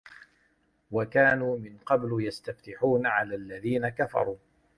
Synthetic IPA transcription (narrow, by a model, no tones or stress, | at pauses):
wakaːnuːmɪnqɑbljast̪aft̪ɪħuːnaʕalaːlːaðiːnakafɑ̰ɾˤuː